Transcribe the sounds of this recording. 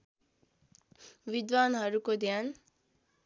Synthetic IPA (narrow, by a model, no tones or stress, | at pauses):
wid̪wanɦʌɾukod̪ʱjan